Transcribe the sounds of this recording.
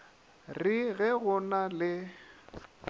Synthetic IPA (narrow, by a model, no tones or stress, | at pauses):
riɣɛɣʊnalɪ